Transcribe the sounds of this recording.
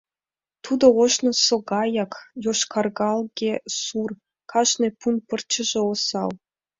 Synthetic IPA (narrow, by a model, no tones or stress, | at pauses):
t̪ud̪ɤ̆oʃnɤ̆sŏɡɑjɑkjoʃkʰɑrɡɑlˠɡʲesur | kʰɑʃnĕpunpɤ̆rt͡ɕɘ̆ʒĕosɑ̰lˠ